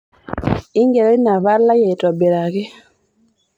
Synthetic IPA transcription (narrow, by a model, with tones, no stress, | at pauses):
i˦ŋɡe˨ɾe˦i˦na˨βa˦la˦je˨to˨be˨ɾa˨ɣe˦